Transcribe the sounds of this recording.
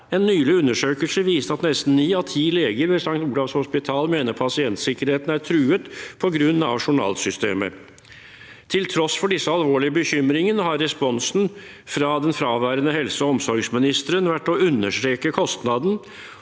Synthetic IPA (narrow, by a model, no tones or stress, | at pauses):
ɛnːyːlɪʉnːəʂøːkəlsəʋiːsəɑt̪nɛst̪n̩nːiːɑʋt̪ʰiːleːɡəɾʋɛsɑŋkt̪uːlɑʋshʊspɪt̪ʰɑːlmeːnəɾpʰɑsɪɛnt̪sɪkəɾheːt̪n̩æt̪ʰɾʉːət̪pʰɔɡɾʉnːɑ̰ʋʂʊɳɑ̰ːlsʏst̪ḛːmə̰ | t̪ʰɪlt̪ʰɾɔsfɔɖɪsːəɑlʋoːɭɪəbəçʏmɾɪŋənəɦɑɾːɛspɔnsn̩ | fɾɑd̪ɛnfɾɑːʋæːɾənəhɛlsəɔɔmsɔɾɡsmɪnɪst̪əɾənʋæʈːɔʉnːəʂʈɾeːkəkʰɔst̪nɑd̪n̩